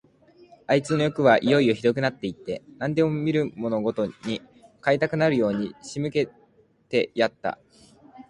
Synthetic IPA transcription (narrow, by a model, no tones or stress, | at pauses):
ait͡sɨno̞jo̞kɯ̟β̞aʔijo̞io̞çiɾo̞k̬ɯ̟nat̪ːe̞it̪ːe̞nãnd̪e̞mo̞mʲiɾɯ̟mo̞no̞ɡo̞t̪o̞ɲ̟i | kait̪akɯ̟naɾɯ̟jo̞ːɲ̟iɕimɯ̟ke̞ | t̪e̞jat̪ːa̰